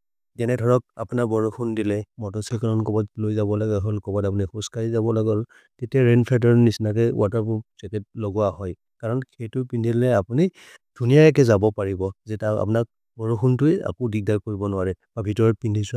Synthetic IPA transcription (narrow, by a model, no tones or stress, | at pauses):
ɡɛnɛdʱɔɹɔk̚a̰punabɔɹuxʰundilɛmɔtɔsɛkaɹɔnkɔbatlojzabɔlaɡɛɦɔlkɔbatapunixuskaɹizabɔlaɡɔl | tetiaɹenpʰadɔɹnisnakɛw̰ataɹpʊsɛkɛt̚lɔɡʊahɔj | kaɹɔnkʰejtʊpindʱillɛapuni | d̥ʱunijaɛk̬ɛzabɔpaɹibɔzɛtaa̰punak̚ | bɔɹuxʰuntʊɛa̰kɔdik̚daɹkoɹibɔnʊwaɹɛb̥abʱitɔɹɔt̚pindʱisʊa